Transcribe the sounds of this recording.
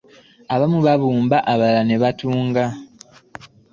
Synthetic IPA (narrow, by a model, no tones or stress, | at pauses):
aβamuβaβuːmbaʔaβalane̞βatuːŋɡa